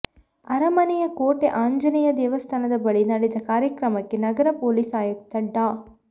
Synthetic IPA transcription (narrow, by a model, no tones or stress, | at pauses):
ɐɾɐmɐnɛjɐkoːʈeʔaːɲd͡ʒɐnijɐd̪ɛːʋɐst̪ʰaːnɐd̪ɐbɐɭinɐɽed̪ɐkaːɾjɐkɾɐmɐkːenɐɡɐɾɐpoːlisaːjɐkt̪ɐɖːaː